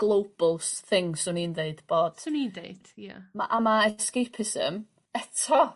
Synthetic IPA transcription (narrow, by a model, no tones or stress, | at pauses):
ɡ̥lˠowb̥lˠsθɪŋsʊniːndeɨd̥b̥oːd̥nindeɨd̥ja̰ma̰ʔamaɛskejpʰɪsə̰m | ɛtʰɔ